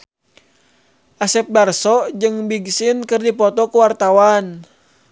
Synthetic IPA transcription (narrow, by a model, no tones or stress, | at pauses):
ʔasɛp̚darsɔd͡ʒɨŋbiɡsɪnkɨrdipɔt̪ɔkuwart̪awan